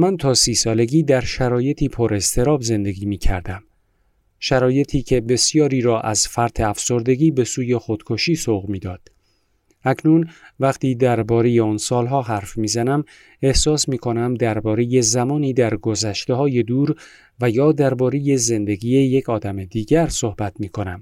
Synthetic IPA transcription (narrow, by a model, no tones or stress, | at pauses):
mænt̪ʰɒːsiːsɒːle̞ɡiːd̪æɾʃæɾɒːje̞t̪ʰiːpʰoɾe̞st̪ʰe̞ɾɒːbze̞nd̪e̞ɡiːmiːcʰæ̰ɾd̪æm | ʃæɾɒːje̞t̪ʰiːcʰe̞be̞sjɒːɾiːɾɒːʔæzfæɾt̪ʰe̞æfso̞ɾd̪e̞ɡiːbe̞suːje̞xod̪̥kʰoʃiːsoɣmiːd̪ɒːd̪̥ | æcʰnunvæqt̪ʰiːd̪æɾbɒːɾe̞jeɒːnsɒːlɦɒːɦæɾfmiːzænæm | e̞hsɒːsmiːkʰo̞næmd̪æɾbɒːɾe̞je̞zæmɒːniːd̪æɾɡo̞zæʃt̪e̞hɒːje̞d̪uːɾ | væjɒːd̪æɾbɒːɾe̞je̞ze̞nd̪e̞ɡiːe̞je̞cʰɒːd̪æme̞d̪iːɡæɾsohbæt̪ʰmiːkʰo̞næm